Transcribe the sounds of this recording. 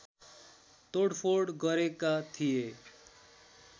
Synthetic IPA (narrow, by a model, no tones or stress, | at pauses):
t̪oɽpʰoɖɡʌɾekat̪ʰije